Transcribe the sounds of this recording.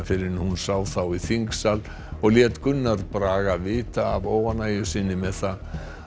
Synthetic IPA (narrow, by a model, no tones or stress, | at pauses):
fɪɾɪhunsaːwθawiθiŋksal | ɔɣljɛːt̪kʏnːaɾpɾaːɣavɪːt̪aːvoːwvanaːjʏsɪnːɪmɛðθa